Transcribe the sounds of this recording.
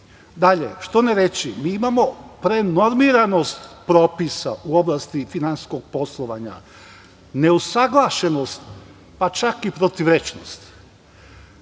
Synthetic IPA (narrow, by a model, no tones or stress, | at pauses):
d̪aʎḛʃt̪o̞neɾet͡ʃimiːimamo̞pɾe̞no̞ɾmiɾano̞st̪pɾo̞ːpisa̰ʔuo̞blˠast̪ifinanssko̞ɡ̚po̞slˠoʋaɲa̰ | ne̞usaɡlˠaʃe̞nost̪ | pat͡ʃakipɾot̪iʋɾet͡ʃno̰st̪